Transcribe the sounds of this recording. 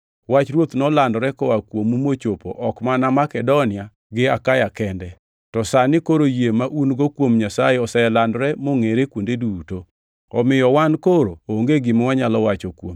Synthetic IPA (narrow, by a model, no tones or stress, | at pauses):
wat͡ʃɾwot̪nɔlandɾɛkɔwakwomumot͡ʃopo̰ʔɔkmanamakɛdonɪa | ɡɪakajakɛndɛ | tɔsanɪkoɾojemaʔunɡɔkwomɲasajeɔsajɛlandɾɛmoŋeɾekwondeduto | ɔmɪjɔwankoɾooŋɡeɡɪmwaɲalɔwat͡ʃɔkwo̰m